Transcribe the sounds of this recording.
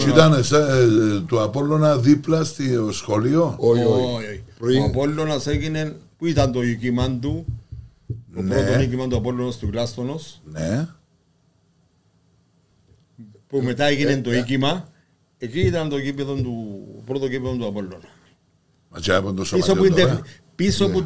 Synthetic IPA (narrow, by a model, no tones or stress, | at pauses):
it̪ɐnset̪oapolːonaðiplɐst̪iosxolioojouapolːonaseɣinenpuit̪ɐnt̪oikimant̪u | onpɾoonikimant̪uapo̞lːonast̪uklast̪ono̞sne | pume̞t̪aeɣine̞nt̪o̞ikimɐ | ekiːt̪ɐnt̪okipːeðont̪upɾot̪okipeðont̪uapo̞lːonɐ | mɐt͡ʃapont̪osoisopuind̪e | piso̞pu